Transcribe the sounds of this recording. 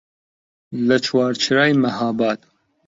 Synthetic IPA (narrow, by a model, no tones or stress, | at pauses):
lɐt͡ʃʰwɑːɾt͡ʃʰɾaːjmɐɦaːbaːt̪